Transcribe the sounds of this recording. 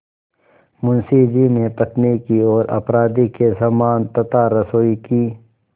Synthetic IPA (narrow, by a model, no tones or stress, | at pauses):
mʊnsid͡ʒinepɐt̪nikiɔːɾɐ̰pɾaːd̪ikesamaːnt̪ɐt̪aːɾɐsoːikiː